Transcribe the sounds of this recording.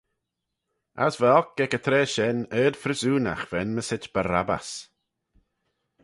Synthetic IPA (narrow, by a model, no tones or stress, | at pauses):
a̰svɛɔk̚ːɛkət̪ʰɾɛːʃɛnəːd̪̥fɾəsuːna̰xvɛnməsɪt͡ʃb̥aɾaba̰s